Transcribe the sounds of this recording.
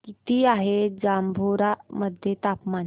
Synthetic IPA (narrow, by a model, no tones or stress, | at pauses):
kit̪iːaɦed͡zambʱoɾaməd̪ʱjet̪apman